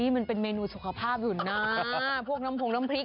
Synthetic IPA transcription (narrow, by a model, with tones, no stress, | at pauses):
iː˦˥ma˧npe˧nmeː˧nuː˧su˨˩kʰa˧pʰaː˥˩p̚juː˨˩naː˥˦˥pʰu˥˩ək̚na˦˥mpʰo˧ŋna˦˥mpʰli˦˥k̚